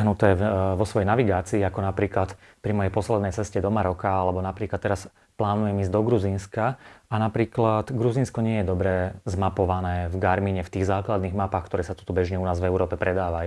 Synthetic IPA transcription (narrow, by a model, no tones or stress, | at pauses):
ɦnut̪ɛːʋɔsʋɔjɛjnaʋiɡaːt͡siːakɔnapɾiːklat̪pɾimɔjɛjpɔslɛd̪nɛjt͡sɛscɛd̪ɔmaɾɔkaalɛbɔnapɾiːklat̪ːɛɾas | plaːnujɛmiːzd̪ɔɡɾuzinskaanapɾiːklat̪ɡɾuziːnskɔɲɪɛjɛd̪ɔbɾɛzmapɔʋanɛːvɡaɾmiɲɛft̪iːɣzaːklad̪niːɣmapaːxkt̪ɔɾɛːsat̪u̥t̪ɔbɛʒɲɛunaːzvɛʊɾɔːpɛpɾɛd̪aːʋaju